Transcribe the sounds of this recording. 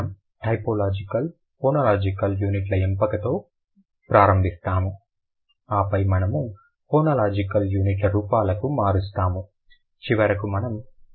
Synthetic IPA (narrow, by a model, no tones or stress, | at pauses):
m | ʈɐjpoːlaːd͡ʒikɐl | foːnɐlaːd͡ʒikɐljuːniʈlɐempɐkɐt̪o̞ː | pɾaːɾɐmbʱist̪aːmu | aːpɐjmɐnɐmu | foːnɐlaːd͡ʒikɐljuːniʈ̬lɐɾuːpaːlɐkumaːɾust̪aːmu | t͡ʃiʋɐɾɐkumɐnɐm